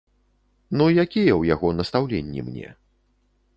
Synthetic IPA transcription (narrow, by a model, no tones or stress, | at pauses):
nujakʲijɛwjaɣɔnɐst̪awlʲenʲːḭmnʲɛ̰